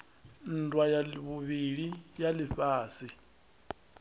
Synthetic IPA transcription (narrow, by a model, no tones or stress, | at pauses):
n̩dwajalβuβiɺijaliɸaːsi